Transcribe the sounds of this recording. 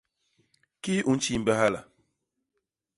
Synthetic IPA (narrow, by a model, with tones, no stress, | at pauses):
ki˦ʔu˨n̩˦t͡ʃi˦˨m̩˨bə˦ha˦la̰˨